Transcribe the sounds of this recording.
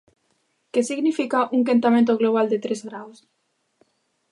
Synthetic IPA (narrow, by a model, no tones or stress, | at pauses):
kesiɣnifikaʔuŋkent̪amẽnt̪oɣloβ̞ald̪et̪ɾezɣɾaws